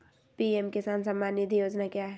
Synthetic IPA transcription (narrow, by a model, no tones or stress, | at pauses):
piemkɪsaːnsɐmːaːnːid̪ʱijoːd͡ʒnakjaɦɛ